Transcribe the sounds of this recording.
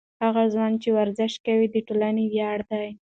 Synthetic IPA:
haɣazwɑnt͡ʃewaɾzɪʃkawid̪əʈolanewjɑɽd̪aj

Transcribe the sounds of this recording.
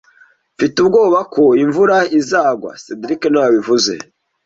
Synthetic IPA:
fitubɡo̞ːβakoiɱvuɾaizaːɡwa̰sedɾikenawaβivuze̞̰

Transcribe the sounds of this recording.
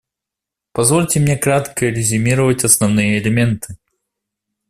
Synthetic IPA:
pɐzvolʲtʲɪmnʲekɾat̪kəɾʲɪzʲʊmʲiɾəvətʲɐsnɐvnɨjəːlʲɪmʲe̞nt̪ʰɨ

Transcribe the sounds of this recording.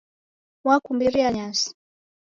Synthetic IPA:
wakumbiɾiaɲasi̥

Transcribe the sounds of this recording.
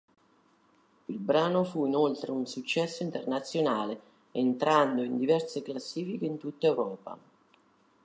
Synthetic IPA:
ilbɾaːnofuinolt̪ɾeunsut͡ʃːɛsːoʊint̪ernat̪sːjonaːle | ent̪ɾand̪oind̪ivɛrseklasːiːfikeint̪ut̪ːaewɾɔːpa̰

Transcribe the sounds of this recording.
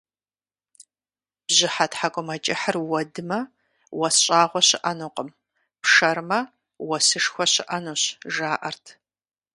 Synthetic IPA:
b̥zʑɪħatħakʷʼʊmɐt͡ʃʼɪħərwɐdɨmɐ | wɐsɕʼaːʁʷɔɕɪʔɐnuqʼəm | pʂɐɾmɐ | wɐsɨʂxʷɔɕɪʔɐnuːɕʒaːʔɐrtʰ

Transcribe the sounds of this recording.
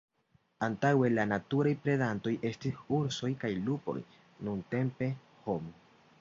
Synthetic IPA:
ant̪awelanat̪uɾajpɾedant̪o̞jʔe̞stisuɾsojkajlupo̞̰j | nunt̪e̞mpe̞ | hom

